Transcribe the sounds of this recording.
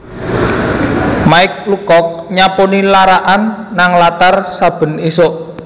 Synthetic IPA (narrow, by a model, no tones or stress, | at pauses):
maɪk̚lukɔk̚ɲaponilaɾaʔanːaŋlat̪arsab̥ə̤nisoʔ